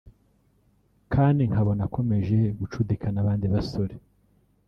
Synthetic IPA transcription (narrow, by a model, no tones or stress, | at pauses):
kʰaːndiŋ̥haβo̞nakʰo̞me̞ʒe̞ɡut͡ʃudikʰanaβaːndiβaso̞ɾe